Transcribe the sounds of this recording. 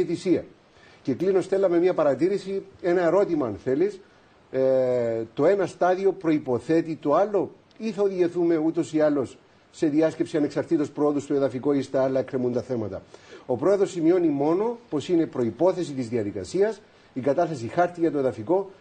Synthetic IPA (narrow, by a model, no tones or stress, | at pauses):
θisiɐ | ce̞klino̞st̪e̞lːɐme̞miɐpɐɾɐt̪iɾisie̞nɐe̞ɾo̞t̪imɐːnθe̞lis | t̪o̞e̞nɐst̪ɐðio̞pɾo̞ipo̞θe̞t̪it̪o̞alːo̞ | iθɐoðiʝe̞θume̞ut̪o̞sialːo̞sː | e̞ðiɐscepsiɐne̞ksɐɾt̪it̪o̞spɾooðust̪oe̞ðɐfiko̞ist̪eɐlːɐekɾemunt̪ɐθe̞mɐt̪ɐ̰o̞pɾo̞eðɾo̞sːimio̞nimo̞no̞po̞sine̞pɾo̞ipo̞θe̞s̬it̪izðiɐðikɐ̰siɐs | ikɐt̪ɐθesixɐɾt̪iʝɐt̪oe̞ðɐfiko̞